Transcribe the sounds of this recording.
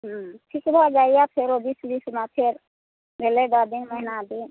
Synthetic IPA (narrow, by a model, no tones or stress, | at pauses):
ɦʈʰikbʱad͡ʒaijapʰeɾobisbismapʰeɾ | bʱeleɡad̪inmənad̪in